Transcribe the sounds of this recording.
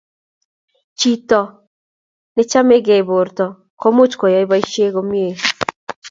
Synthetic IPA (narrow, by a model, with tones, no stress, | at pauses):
t͡ʃi˦tɔ˨ | ne˦t͡ʃa˦me˦ɡe˨bo˨ɾtɔ˨ | ko˦mu˦t͡ʃkɔ˨jɔ˦i˦ba˦i˦ʃe˦ɣo˦mje˨